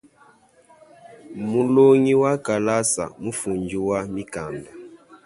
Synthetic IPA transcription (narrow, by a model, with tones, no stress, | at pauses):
mu˨lo˦ŋi˦wa˦ka˨la˦sa̰˨mu˦fu˨ɲd͡ʒi˦wa˦mi˦ka˨nda˨